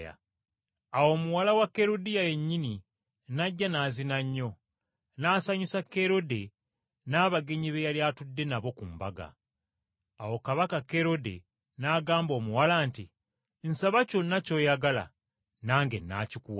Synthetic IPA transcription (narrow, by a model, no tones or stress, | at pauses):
a̰ | awo̞ːmuwalawakːe̞ɾo̞dijaje̞ɲːini | naɟːanaːzinaɲːo̞ | naːsaɲisakːe̞ɾo̞de̞ | naːβaɡe̞ɲiβejaljaːtudːe̞naβo̞kumbaɡa̰ | wo̞kaβakakːe̞ɾo̞de̞̰ | naɡaːmbo̞ːmuwalaːnti | nsaβaco̞nːaco̞ːjaɡala̰ | naːŋɡe̞̰nːa̰ːcikuwa